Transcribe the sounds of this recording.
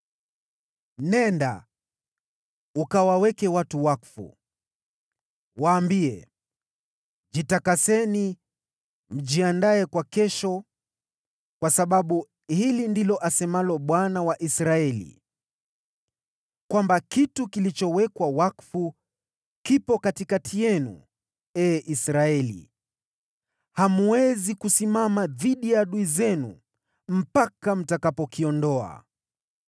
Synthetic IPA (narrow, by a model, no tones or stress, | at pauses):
nɛnda̰ | ukawawɛkɛwatuwakfṵ | waːmbiɛ̰ | ʄitakasɛni | m̩ʄiandaɛkwakɛʃɔ | kwasaɓaɓu | hilindilɔʔasɛmalɔɓwanawaʔisɾaɛlḭ | kwambakitukilit͡ʃɔwɛkwawakfu | kipɔkatikatʰijɛnṵ | ɛːʔisɾaɛlḭ | hamuwɛzikusimamaðiɗijaɗuizɛnṵ | m̩pakam̩takapɔkiɔndɔa̰